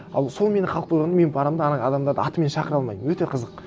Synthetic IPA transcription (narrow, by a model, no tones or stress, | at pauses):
ɑlˠso̞lˠme̞nɪχʰɑlˠəq̚poj̪ʁɑnəme̞npʰɑɾɑmd̪ɑnɑd̪ɑmd̪ɑɾd̪ə̰ɑt̪əme̞nʃɑqəɾɑlˠmɑjməmwɵt̪e̞qʰəzəq